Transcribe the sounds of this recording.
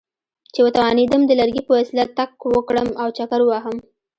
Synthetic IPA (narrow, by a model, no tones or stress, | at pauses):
t͡ʃewət̪awɑned̪əmd̪əlaɾɡipəwasɪlat̪ːakwəkɽəmawt͡ʃakaɾwaɦəm